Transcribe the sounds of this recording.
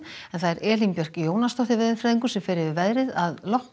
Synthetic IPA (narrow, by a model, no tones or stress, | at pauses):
ɛnθaðɛɾɛːlimpjœr̥kjoːwnast̪ɔht̪ɪvɛðɪfɾɛːðiŋkʏsɛmfɪːɾɪvɪvɛðɾɪðaðlɔh